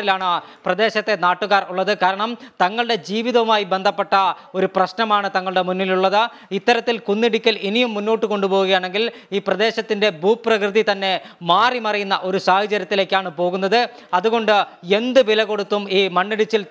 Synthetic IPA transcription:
rilaːɳɨ | prɐd̪e̞ːɕɐt̪ːe̞naːʈːuɣaːruɭːɐðɨkaːɾɐɳɐmt̪ɐŋːɐɭɽe̞d͡ʑiːʋiðɐʋumaːjibe̞nd̪ʱɐpːeʈːɐo̞ɾuprɐɕnɐmaːɳɨt̪ɐŋːɐɭɽe̞munːiluɭːɐðɨ | it̪ːɐɾɐt̪ːilkunːiɽikʲːɐlinijumːunːo̞ːʈːɨko̞ɳɖupo̞ːɣuɣɐjaːɳe̞ŋɡiliːprɐd̪e̞ːɕɐt̪ːinde̞buːpːrɐkrɨðit̪ɐnːe̞maːrimɐrɐjunːɐʔo̞ɾusaːhɐt͡ɕɐɾjɐt̪ːile̞ːkʲːaːɳɨpo̞ːɣunːɐðɨ | ɐðuɣo̞ɳɖɨe̞nd̪ɨʋilɐɣo̞ɽut̪ːumiːmɐɳːiɽit͡ɕːil

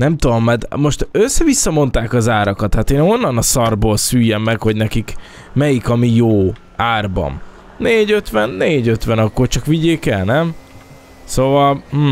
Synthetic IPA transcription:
nɛmt̪ud̪o̞mːɛd̪mo̞ʃt̪øsːɛvisːɒmo̞nt̪aːkɒzaːɾɒkɒt̪hat̪eːno̞nːɒnɒsɒrboːlsyːjːɛmːɛkho̞ɟnɛkik | mɛjikɒmijoː | aːrbɒ̰m | neːɟøt̪ʋɛnːeːɟøt̪ʋɛnɒkːo̞rt͡ʃɒkʋiɟeːkɛlnɛm | sovɒlm̩

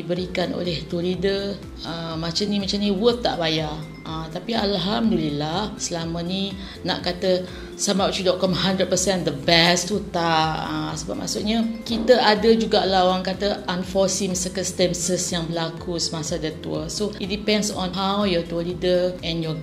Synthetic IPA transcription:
ibəɾikano̰lɛht̪uəlidə | əmat͡ʃanimat͡ʃaniwəθt̪ːa̰ʔbaja | ʔət̪apialɦamdulilasəlaməni | na̰ʔkat̪ə | samawt͡ʃudɔʔkɔmɦandɾəd̚pəsɛnd̪əbɛst̪ut̪aʔə̰səba̰p̚ma̰ʔsuʔɲəkit̪əʔadəd͡ʒuɡaʔlaɦoɾaŋkat̪əʔanfɔsimsəkənst̪ɛnsəsjaŋbəlakʰusəmasadət̪uəsoit̚dipɛ̃nsɔ̰̃nɦawjɔt̪uəlidəʔɛ̃njɔ

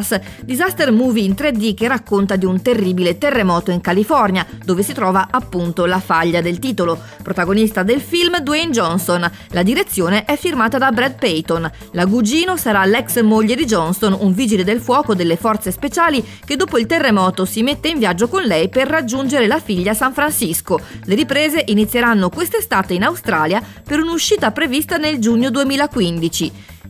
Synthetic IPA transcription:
s | d̪izast̪ermuːviːnt̪ɾed̪ik̟erːakːont̪ad̪iunt̪erːiːbilet̪erːemɔːt̪oiŋkalifɔrnjad̪oːvesit̪ɾɔːvaʔapːunt̪olafaʎːad̪elt̪iːt̪olo | pɾot̪aɡonist̪ad̪elfilmd̪wejnd͡ʒɔnson | lad̪iɾet̪sːjoːneʔɛfːirmaːt̪ad̪abɾɛd̪̚pɛjt̪on | laɡud͡ʒiːnosaɾalɛksmoʎːed̪id͡ʒɔnsonuɱviːd͡ʒiled̪elfwɔːkod̪elːefɔrt̪sespet͡ʃaːli | k̟ed̪ːoːpoilt̪erːemɔːt̪osimet̪ːeiɱvjad͡ʒːokonlɛjperːad͡ʒːund͡ʒeɾelafiʎːasaɱfɾansiskoleɾipɾeːzeʔinit̪sːjeɾanːokwest̪est̪aːt̪einawst̪ɾaːlja | peɾunuʃːiːt̪apɾevist̪aneld͡ʒuɲːod̪uemiːlakwind̪it͡ʃi

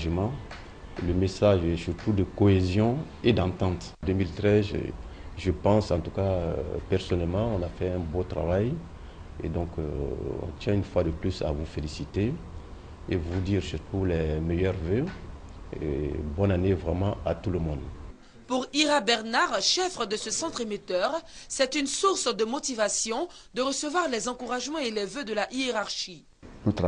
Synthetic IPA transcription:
ʒəmɑ̃ | ləmesaʒɛsyʁt̪ud̪əkoezjɔ̃ | ed̪ãt̪ɑ̃t̪ | d̪ømilt̪ʁɛz̰ʒəpɑ̃sɑ̃t̪ukaø̰pɛʁsɔnɛlmɑ̃ɔ̃nafɛɛ̃bot̪ʁa̰vaj | ḛd̪ɔ̃kɔ̰̃t̪jɛ̃ynfwad̪əplysa̰vufelisit̪e | evud̪iʁsyʁt̪ulɛmejœʁvø | ḛbɔ̃nanevʁɛmɑ̃at̪uləmɔ̃d̪ | puʁiʁabɛʁnaʁʃɛfχəd̪əsəsɑ̃t̪χemet̪œʁsɛt̪ynsuʁsd̪əmot̪ivasjɔ̃ | d̪əʁəsəvwaʁlɛzɑ̃kuʁaʒmɑ̃elɛvød̪əlaʔieʁaʁʃi | nut̪

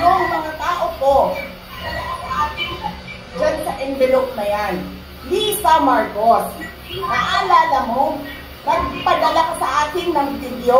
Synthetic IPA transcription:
noŋmɐŋat̪aːʔoko̞ | ɐd̪ɐlakosɐʔaːkɪŋ | d͡ʒansɐʔɛmbɪlok̚mɐjan | lisamaɹkos | aʔalaːlɐmo̞ | nɐɡ̚pɐd̪ɐlakosɐʔaːkɪŋnɐŋd̪ɪnjo

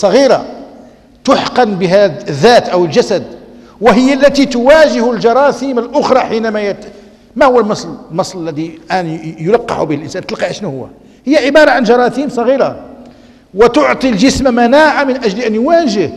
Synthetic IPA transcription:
sˤɑɣiɾɑ̰ | t̪ʊħqɑnbəɦæd̪ðːæt̪ʔəwəlʒæsæd̪ | wəɦəjːalːæt̪it̪ʊwæʒəhlʒɑɾˤɑsiməlʔʊxɾˤɑħinæmæj̪ | mæhʊwːəlmɑsˤlmɑsˤləlːæd̪ilʔænjʊlɑqːɑ̰ħubihəlʔənsænt̪əlqiʕaʃnuhʊwːæ̰ | həjːaʕɪbɑɾˤɑʕanʒɑɾˤɑtimsˤɑɣiɾɑ | wət̪oʕt̪ˤilʒəsmamænaʕamənʔæʒliʔænjʊwæʒəh

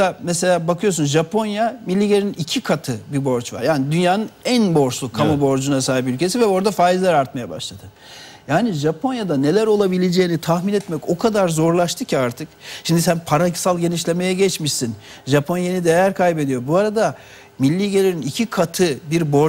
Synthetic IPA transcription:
amese̞lʲaːbakʰɯjo̞s̬unʒapʰo̞njamilʲːiːɟeɾninicʰikʰat̪ʰɯbibo̞ɾt͡ʃva̰ɾjaːnid̪ynjaːnɯnænbo̞ɾt͡ʃlˠukʰamobo̞ɾd͡ʒunasaːɦipylʲcʰe̞sivɛo̞ɾd̪afaːjizlʲæɾaɾt̪̚majaba̰ʃlˠad̪̥ɯ | jaːniʒapʰo̞njad̪ane̞lʲæɾo̞lˠabilʲed͡ʒejinit̪ʰahminɛt̪mɛco̞kʰad̪aɾzo̞ɾlˠaʃt̪ʰɯcʰiaɾt̪ʰɯkʃimd̪isænpʰaɾaksalˠɟe̞niʃlʲe̞me̞jɛɟɛt͡ʃmiʃsin | ʒapʰo̞njanid̪ejæɾkʰajbe̞d̪ijo̞buaɾad̪a | milʲːiɟelʲeɾinicʰikʰat̪ʰɯbiɾbo̞ɾ

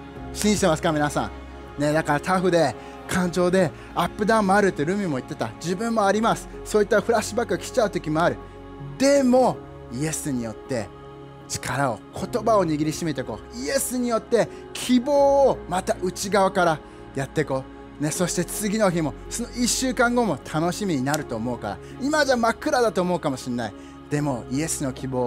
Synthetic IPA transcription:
ɕĩʑi̥t̪e̞masɨ̥kamʲinasã̰ŋ | ne̞d̪akaɾat̪aɸɯ̟d̪e̞ | kʰãɲ̟d͡ʑo̞ːd̪e̞ | apːɯ̟d̪ãmːoaɾɯ̟t̪ːeɾɯ̟mʲimo̞it̪ːe̞t̪a̰d͡ʑibɯ̟̃mːo̞aɾʲimasɨ̥ | soːit̪ːaɸɯ̟ɾaɕɨbakːɯkʲi̥t͡ɕaɯ̟t̪o̞kʲimo̞aɾɯ̟ | d̪e̞mo̞ | ie̞sɨɲ̟ijo̞t̪ːe̞̰ | t͡ɕi̥kʰaɾao̞̰kʰo̞t̪o̞bao̞ɲ̟iɡʲiɾʲiɕime̞t̪e̞ko̞ːie̞sɨɲ̟ijo̞t̪ːe̞ | kʲʰibo̞ːmat̪aʔɯ̟t͡ɕiɡaβakaɾa | jat̪ːe̞ko̞ː | ne̞so̞ɕi̥t̪e̞t͡sɨɡʲino̞çimo̞so̞no̞iɕːɨːkãŋɡo̞mo̞t̪ʰano̞ɕimʲiɲ̟inaɾɯ̟t̪o̞ːmo̞ɯ̟ka̰ɾa̰ | imadamakɯ̟ɾad̪at̪o̞ːmo̞ɯ̟kamo̞ɕinai | d̪̥e̞mo̞ie̞sɨno̞kʲibo̞ː

